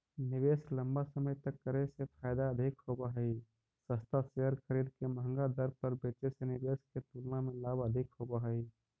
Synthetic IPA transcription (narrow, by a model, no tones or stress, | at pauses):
nɪʋeːslə̃mbasəməjt̪ɐkːəɾesepʰaːjd̪aɐd̪ʱɪkhoːbaɦɛi | səst̪aseɦəɾxəɾiːd̪kemɐɦə̃ŋɡad̪əɾpəɾbeːt͡ʃesenɪbeːsket̪uːlnamẽlaːbəd̪ʱɪkhoːbaɦɛi